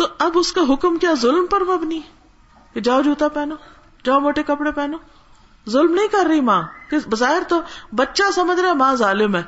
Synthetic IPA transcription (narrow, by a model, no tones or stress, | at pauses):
t̪oːɐbʊskaɦʊkmkjaːzʊlmpəɾmɐbni | ked͡ʒaːod͡ʒuːt̪aːpɛːnoː | d͡ʒaːomoːʈekɐpɽepɛːnoː | zʊlmnɐĩːkɐɾːɐimãːkebəzaːɦɪɾt̪oːbətːʃasɐməd͡ʒɾaːɛmãːzaːlɪmɛː